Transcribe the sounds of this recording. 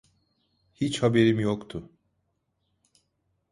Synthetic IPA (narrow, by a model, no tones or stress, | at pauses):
hit͡ʃhabe̞ɾimjokt̪ʰʊ